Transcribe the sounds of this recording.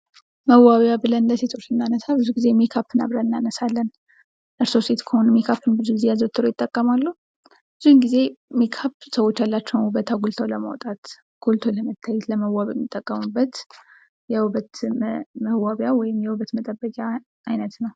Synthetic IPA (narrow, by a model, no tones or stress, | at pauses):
məwːaβjaβɨlənləse̞t̪ʰo̞t͡ʃːɨnːanəsabɨzuɡizemekʰapːɨna̰βɾaɨnːanəsalːən | ʔɨɾso̞se̞t̪kʰəhonmekʰapːɨnbɨzuɡizejazət̪ʰːɨɾojɪt̪ʼːəkʼːəmalːu | bɨzunɡize̞mekʰapsəwot͡ʃːjalːat͡ʃːɛwnhuβət̪ʰaɡult̪ʰoləmawt̪ʼat̪ | ɡ̥ult̪ʰoləmət̪ʰːajːɛt̪ləməwːaβɛ̰mːit̪ʼːəkʼːəmubːət̪ | jɛβət̪məwaβjawɔjɪmjɛwuβət̪mət̪ʼəbːəkʼjaː | jnət̪nəw